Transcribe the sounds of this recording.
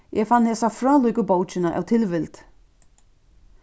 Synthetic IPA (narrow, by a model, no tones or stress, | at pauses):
jʔɛfanːhɛsafɾaːlujkʏboːwt͡ɕɪnaʔa̰wt̪ʰɪlvɪlt̪